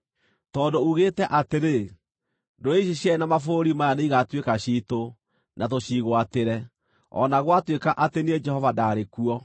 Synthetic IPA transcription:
tɔːndouɣetɛʔateɾe | ndoeɕ̬iɕɛnamafoɾimajaneiɣatwekaɕiːto | nat̬oɕiːɣwateɾɛ | ɔ̰naɣwatwekaʔatenied͡ʒɛhɔvadaɾekuɔ

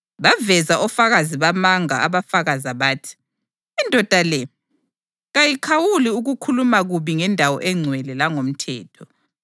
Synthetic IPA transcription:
βavɛzaʔɔfaɣaziβamaŋa̰aβafaɣazaβaːtʰi̥ː | ndʱɔd̥ʱalɛ | ɣajikʰawuliuɣukʰulumaɣuβiŋɛndʱawɔ̰ʔɛŋ͡ǀʱwɛlɛlaŋom̩tʰɛ̰ːtʰɔ

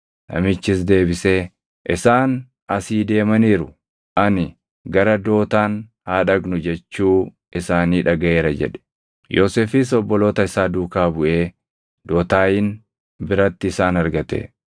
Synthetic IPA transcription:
nɐ̰mɪt͡ʃːɪs̬d̪e̞ːbɪseː | ʔɪ̰saːn | ɐsiːd̪e̞ːmɐniːɾʊ | ʔɐnɪ | ɡɐɾɐd̪o̞ːt̪aːn | haːᶑɐɡnʊd͡ʒɛt͡ʃːuː | ɪsaːniːᶑɐɡɐʔeːɾɐd͡ʒɛ̰ᶑɛ̥ | joːseːfɪs̬ɔbːɔlo̞ːt̪ɐɪsaːd̪uːkaːbʊʔe̞ː | d̪o̞ːt̪aːjɪn | bɪɾɐt̪ːɪːsaːnɐɾɡɐt̪ḛ

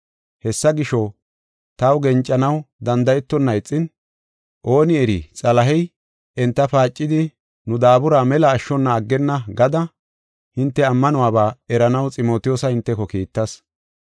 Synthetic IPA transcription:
hɛsːɐɡɪʃɔ | t̪ɐwɡɛnt͡ʃʼːɐnɐwd̪ɐnd̪ɐjɛt̪ːɔnːɐjt͡sʼːɪn | ʔo̞ːnɪɛɾḭt͡sʼɐlɐɦɛj | ɛnt̪ːɐpaːt͡ʃʼːɪd̪ɪ | nʊd̪aːbʊɾaːmɛlɐːʃːɔnːɐːɡːɛnːɐɡɐd̪ɐ | hɪnt̪ːɛɐmːɐnʊwaːbaːɛɾɐnɐwt͡sʼɪmo̞ːt̪ɪjoːsɐhɪnt̪ːɛkɔkiːt̪ːɐs

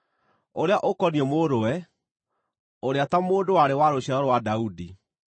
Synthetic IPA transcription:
oɾeaʔokɔniɔmoːɾowɛ | oɾeatamoːndowaɾewaɾoɕaɾɔɾowadaudi

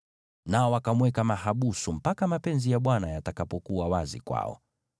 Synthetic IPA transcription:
naɔwakamwɛkamahaɓusum̩pakamapɛnzijaɓwanajatakapɔkuawazḭkwa̰ɔ̰

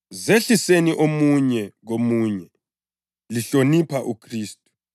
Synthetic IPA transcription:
zeɬiseniʔomuɲɛɣomuɲɛ | liɬonipʰaʔukʰriːstʼu̥

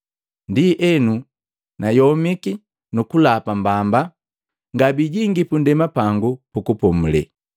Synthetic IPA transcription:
ndiʔɛnu | najɔmiki | nukulapambamba | ŋɡabiɟiŋɡipundɛmapaŋɡupukupɔmulɛ̰

